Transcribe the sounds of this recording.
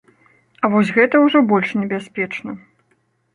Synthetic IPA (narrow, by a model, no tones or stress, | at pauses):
ɐvɔsʲɣɛt̪ɐwʐɔbɔlʲʂnʲɛbʲasʲpʲɛt͡ʂnɐ